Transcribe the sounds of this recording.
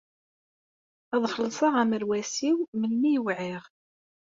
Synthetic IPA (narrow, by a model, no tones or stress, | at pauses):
æðˤχəlːsˤɑʁæməɾwæsiwməlːijwʕɪʁ